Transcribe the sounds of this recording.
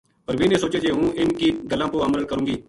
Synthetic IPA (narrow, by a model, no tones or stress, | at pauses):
pəɾʋiːnẽːsoːt͡ʃeːd͡ʒeːɦũːɪnkiːɡəlãːpoamɾəlkəɾũːɡiː